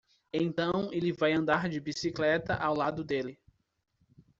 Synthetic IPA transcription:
ẽt̪ɐ̃w̃elɪvajɐ̃nd̪aɾd͡ʒɪbisiklɛt̪ɐ̰ʔawlad̪ʊd̪elɪ

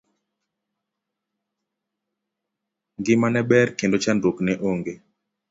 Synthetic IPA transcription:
ɡɪmanɛbɛrkendot͡ʃandoknɛʔoŋɡe

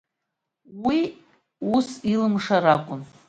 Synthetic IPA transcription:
wi | usilɨmʂaɾakʷʼʊn

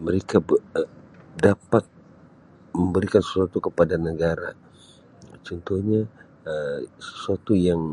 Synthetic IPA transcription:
məɾekab | dapat̪̚ | məmbəɾikansə̥suat̪ukəpadanəɡaɾa | t͡ʃɔnt̪ɔhɲa | əsə̥suat̪ujaŋ

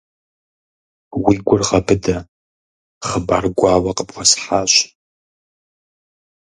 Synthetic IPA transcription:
wiːɡʷʊrʁɐbʰɨdɐ | χəbaːrɡʷɑːwɐqəpwʷɐsħaːɕ

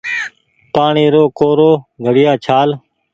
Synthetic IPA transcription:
paːɳiːɾoːkoːɾoːɡʱəɽɪjaːt͡ʃʰaːl

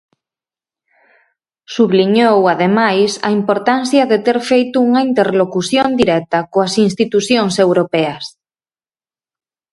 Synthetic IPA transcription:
suβliɲowaðemajsɐ̰impoɾt̪anθjaðet̪eɾfejt̪uuŋaint̪eɾlokuθjond̪iɾɛt̪akoasinst̪it̪uθjoŋsewɾopɛas

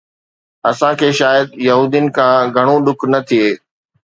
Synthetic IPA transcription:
ɐsãkʰeːʃaːjəd̪̚jɐɦuːd̪ijənɪ̆kʰãːɡʱɐɽ̃õɗʊkʰnɐt̪ʰieː

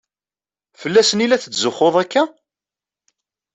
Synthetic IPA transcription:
fəlːæsənilæθət͡sːzəχːoðˤækːæ

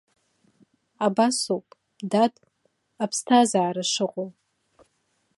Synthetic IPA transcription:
abasupʼ | dadʼ | apʰstʰazaːɾaʂɨqʷʼow

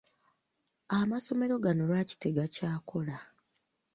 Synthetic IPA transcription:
amaso̞me̞ɾo̞ɡano̞ɾaci̥teɡacaːko̞la

